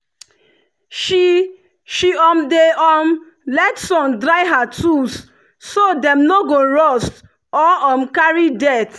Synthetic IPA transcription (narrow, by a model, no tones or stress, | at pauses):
ʃi | ʃiɔmdeɔm | lɛtsɔ̃ndɹaɪɦatʰusː | odɛ̃mnoɡoɹɔst | ɔɔ̃mkaɹidɛt